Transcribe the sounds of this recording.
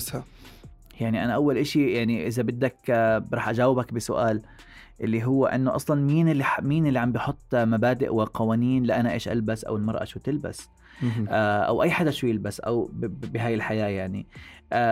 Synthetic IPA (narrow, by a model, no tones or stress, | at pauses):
ha | jaʕniʔanaʔawːalʔɪʃijaʕniʔɪzabɪd̪ːakbɾɑːħʔad͡ʒaːwɪbakbɪsʊʔaːl | ʔɪlːiɦʊwːa̰ʔɪnːoʔɑsˤlɑnmiːnɪlːmiːnɪlːiʕambɪjħʊt̪ˤːmabaːd̪ɪ̰ʔwɪqʰɑwaːniːnlɪʔanaʔeːʃʔa̰lbasʔa̰wɪlmɑɾˤʔa̰ʃuːt̪ɪlba̰s | ʔaʔa̰wʔajːħad̪aʃuːjɪlbasʔa̰wbɪɦaːjɪlħajaːjaʕniʔa